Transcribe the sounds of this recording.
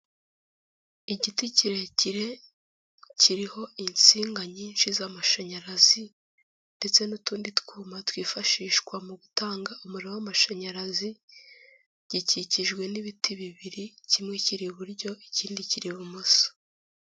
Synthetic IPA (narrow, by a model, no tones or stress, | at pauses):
iɟiticiɾe̞ciɾe̞ | ciɾiho̞int͡siːŋɡaɲiːnʃizamaʃaɲaɾazi | nde̞t͡se̞nutuːnditkuːmatwiːfaʃiːʃkwamuɡutaːŋɡaumuɾiowamaʃaɲaɾazi | ɟ̥iciciʒɡwe̞niβitiβiβiɾicimŋe̞ciɾiβuɾɟo̞iciːndiciɾiβumuso̥